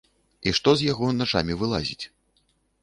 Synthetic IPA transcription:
iʂt̪ɔzʲjaɣɔnaʂa̰mʲivɨlˠa̰zʲit͡sʲ

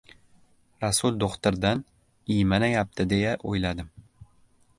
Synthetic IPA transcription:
ɾasʊlˠd̪oχt̪ɪɾd̪an | ijmanajap̚t̪ʰɪd̪e̞jaʔojlad̪ɪm

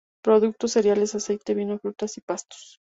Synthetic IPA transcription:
pɾo̞ðuk̚t̪ose̞ɾjale̞sase̞jt̪eβinofɾut̪asipast̪o̥s

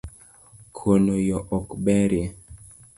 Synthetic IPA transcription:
kʰonojɔʔɔkbɛɾje

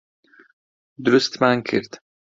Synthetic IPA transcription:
d̪ɾʉst̪maŋkʰɪɾt̪

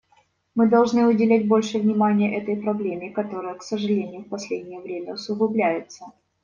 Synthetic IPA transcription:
mɨd̪ɐlˠʐnɨʊdʲɪlʲæt̚ʲbo̞lʲʂɨvnʲɪmanʲɪjəʔɛt̪əjpɾɐblʲemʲɪkɐt̪o̞ɾɨjəksəʐɨlʲenʲɪjʊfpɐsʲlʲedʲnʲɪjəvɾʲemʲəʊsʊɣʊblʲæjɪt̪sə

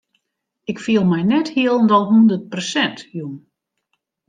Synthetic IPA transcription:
ɪkfiəlˠmɛjnɛthiəlˠndɔlˠɦundərt̚prosɛntjun

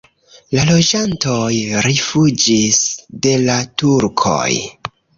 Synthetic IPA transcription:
lalo̞d͡ʒanto̞jɾifud͡ʒisde̞latuɾkʰo̞̰j

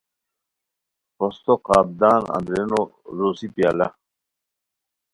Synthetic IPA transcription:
post̪oqaːb̚d̪aːnɐ̰nd̪ɾeːnoɾoːsipijaːlɐ

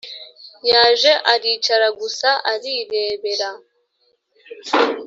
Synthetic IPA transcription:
jaːʒe̞ʔaɾiːt͡ʃaɾaɡusaʔaɾiɾe̞ːβe̞ɾa

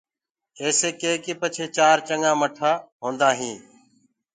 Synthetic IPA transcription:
eːseːkeːkiːpət͡ʃʰeːt͡ʃaːɾt͡ʃəŋãːməʈʰaːɦõːnd̪aːɦĩː

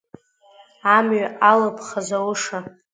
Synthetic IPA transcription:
amɥaʔalapʰʼχazawʊʂa

